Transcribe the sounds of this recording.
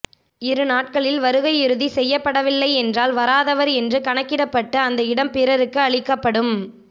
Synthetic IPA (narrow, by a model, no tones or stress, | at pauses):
ɪɾɯnaːʈ̚kɐɭɪlʋɐɾɯɣɐɪɪɾɯðisɛjːɐpːɐɽɐʋɪlːɐɪɛndraːlʋɐɾaːðɐʋɐɾɛndrɯkɐɳɐkːɪɽɐpːɐʈːɯɐnd̪ɐɪɽɐmpɪɾɐɾɯkːɯɐɭɪkːɐpːɐɽɯm